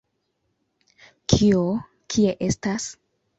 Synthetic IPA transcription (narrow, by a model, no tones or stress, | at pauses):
kʰio | kʰie̞ʔe̞stas